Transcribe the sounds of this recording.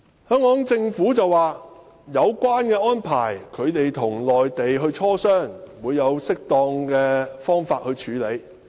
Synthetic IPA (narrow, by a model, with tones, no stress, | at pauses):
hœː˥ŋkɔː˨˥ŋt͡sɪ˧ŋfuː˨˥t͡sɐ˨waː˨ | jɐ˨˧wkʷaː˥nkɛː˧ɔː˥npʰa̰ː˨˩jkʰɵ˨˧ɥt̪e˨jt̪ʰʊ˨˩ŋlɔː˨jt̪e˨jɦɵ˧ɥt͡ʃʰɔː˥sœː˥ŋwuː˨˧jːɐ˨˧wsɪ˥k̚t̪ɔː˧ŋkɛː˧fɔː˥ŋfaː˧t̚hɵ˧ɥt͡ʃʰyː˨˧le˨˧j